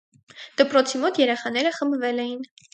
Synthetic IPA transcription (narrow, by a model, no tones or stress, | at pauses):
d̪̥əpɾɔt͡sʰimɔt̪jɛɾɛχɑn̪ɛɾəχəmbvɛlɛjin